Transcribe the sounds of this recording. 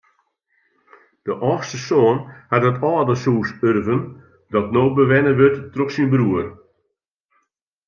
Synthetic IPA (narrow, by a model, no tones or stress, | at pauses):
d̥əʔɔːxstəsoənhatətɔːdəsuːsørvən | dɔtnoːbəʋɛnəʋøtːroxsinbruər